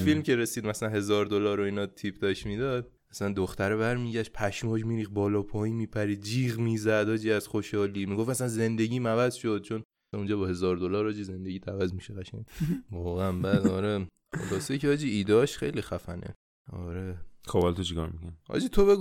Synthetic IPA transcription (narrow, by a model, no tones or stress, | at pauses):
filmceɾesiːd̪mæslænɦe̞zɒːɾd̪olɒːɾoiːnɒt̪ʰiːp̚ʰd̪ɒʃmiːd̪ɒd̪̚ | æsænd̪oxt̪æɾebæɾmiːɟæʃt̪̚pʰæʃmɒːʒmiːɾiːxbɒːlɒːpʰɒːjiːnmiːpʰæɾiːd̪̚d͡ʒiːɣmiːzæd̪hɒːd͡ʒiːæz̥χoʃhɒːliːmiɡofmæsænze̞nd̪e̞ɟiːmævæzʃo̞d̪̥̚t͡ʃʰon | und͡ʒɒːbɒːhe̞zɒːɾd̪olɒːɾhɒːd͡ʒize̞nd̪eɟiːt̪ʰævæzmiʃeɣæʃæɲvɒːɣeænbæːd̪ɒɾe | χo̰lɒːsejcʰehɒːd͡ʒiiːd̪ɒʃxe̞jlixæfænḛ | ɒ̰ːɾekɒːvalt̪ʰot͡ʃʰikɒ̰ːɾmikʰonhɒ̰d͡ʒiːt̪ʰobeɡu